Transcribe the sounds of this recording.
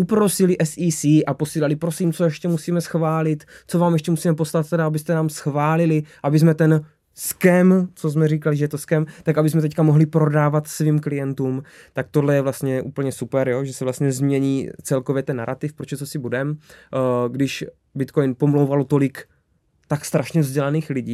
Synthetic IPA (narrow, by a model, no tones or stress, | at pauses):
ʔupɾo̞sɪlɪʔɛsʔiːsiʔapo̞siːlalɪpɾosiːmt͡sojɛʃcɛmusiːmɛsxvaːlɪt̪t͡sovaːmjɛʃcɛmusiːmɛpo̞slat̪̚t̪ɛdaabɪst̪ɛnaːmsxvaːlɪlɪʔabɪsmɛt̪ɛn | skɛmt͡sozmɛriːkalɪʒɛjɛt̪oskɛmt̪akabɪsmɛt̪ɛckamoɦlɪpɾo̞daːvat̪sviːmklɪjɛnt̪uːm | t̪ak̚t̪odlɛjɛvlast̪ɲɛʔuːpl̩ɲɛsupɛɾjoʒɛsɛvlast̪ɲɛzmɲɛɲiːt͡sɛlkovjɛt̪ɛnːaɾʔat̪ɪfpɾot͡ʃɛt͡s̪osɪbudɛm | ɡdɪʃ | bɪt̪kojnpo̞mlowvalot̪o̞lɪk | t̪akst̪ɾaʃɲɛvzɟɛlaniːxlɪɟiː